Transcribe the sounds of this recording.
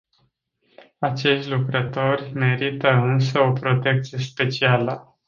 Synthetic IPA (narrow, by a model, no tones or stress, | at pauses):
at͡ʃe̞ʃt̪ʲlukɾət̪o̞rʲme̞ɾit̪əɨns̬əo̞pɾo̞t̪e̞k̚t̪sije̞spe̞t͡ʃialə